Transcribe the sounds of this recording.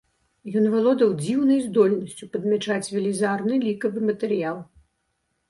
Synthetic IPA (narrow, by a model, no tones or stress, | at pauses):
jɔnvalˠɔd̪ɐwd͡zʲiwnɐjzd̪ɔlʲnɐsʲt͡sʲupɐd̪mʲɛt͡ʂat͡sʲvʲɛlʲizarnɨlʲikɐvɨmɐt̪ɛɾɨjalˠ